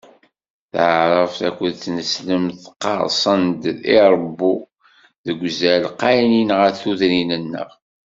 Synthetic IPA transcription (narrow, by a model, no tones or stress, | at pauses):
θʕəɾˤəfθækʷːəðθnəsləmθqːɑ̰ɾˤsˤənd̪iɾˤəbːu | ðəɡʷzælqɑjninʁəɾθuðninənːə̰ʁ